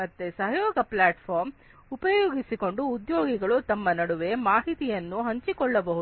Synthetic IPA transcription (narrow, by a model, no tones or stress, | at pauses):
mɐt̪ːesɐɦɐjoːɡɐplaːʈpʰɔːɾm | upɐjoːɡisiko̞ɳɖuːd̪joːɡiɡɐɭut̪ɐmːɐnɐɽuʋe̞maːɦit̪ijɐnːuɦɐɲt͡ʃikɔɭːɐbɐɦud̪